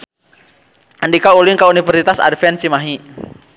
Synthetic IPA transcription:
ʔandikauliŋkaunifərsit̪asa̰dfɛnt͡ʃimaɦi

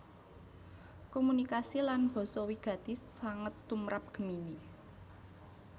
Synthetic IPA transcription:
komunikasilanb̥ɔ̤sɔwiɡ̥ä̤t̪isːaŋət̪ːumɾap̚ɡ̥ə̤mini

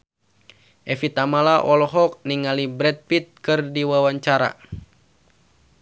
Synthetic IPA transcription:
ʔɛfit̪amalaʔɔlɔɦɔk̚niŋalibɾɛt̪̚pit̪̚kɨrdiwawaɲt͡ʃaɾa̰

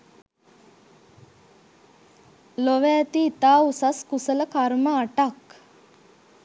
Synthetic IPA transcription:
loʋɛːt̪iːt̪aːusaskusələkaɾməaʈak

